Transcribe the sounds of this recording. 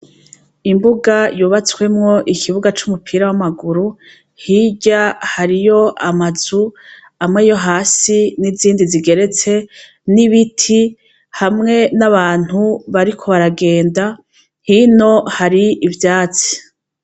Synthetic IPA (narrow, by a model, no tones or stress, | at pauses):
imbuɡajuβat͡swe̞mŋo̞ʔikʰiβuɡat͡ʃumupʰiːɾawamaɡuɾu | hiɟahaɾijo̞amazu | amŋe̞jo̞ɦaːsiniziːndiziɡe̞ɾe̞t͡se̞ | niβitʰi | hamŋe̞naβaːn̥huβaɾikʰo̞βaɾaɡe̞ːnda | hino̞haɾiivjaːt͡si̥